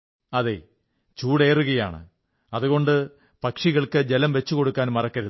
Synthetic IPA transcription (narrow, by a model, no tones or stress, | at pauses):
ɐðḛː | t͡ɕuːɽe̞ːruɣɐja̰ːɳɨ̰ | ɐðuɣo̞ɳɖɨ | pɐkʂiɣɐɭkɨd͡ʑelɐmʋe̞t͡ɕːuko̞ɽukːaːnmɐrɐkːɐɾu